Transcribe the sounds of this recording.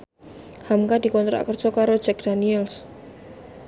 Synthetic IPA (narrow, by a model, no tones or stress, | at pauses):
hamkad̥ikɔnt̪ɾa̰ʔkərd͡ʒ̥ɔkaɾo̥d͡ʒɛk̚d̥aniɛls